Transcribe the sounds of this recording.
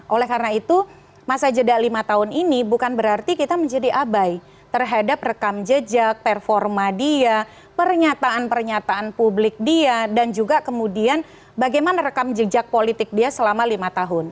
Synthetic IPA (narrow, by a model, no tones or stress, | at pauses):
ʔolɛhkarnait̪u | masad͡ʒədaʔlimat̪aɦʊninibukanbəɾart̪ikit̪aməɲd͡ʒadiʔabaj | t̪ərɦadap̚rəkamd͡ʒəd͡ʒak̚pɛrfɔrmadia | pərɲat̪aanpərɲat̪aanpublɪk̚diadand͡ʒuɡakəmudian | baɡajmanaɾəkamd͡ʒəd͡ʒak̚polit̪ɪk̚diasəlamalimat̪aɦʊn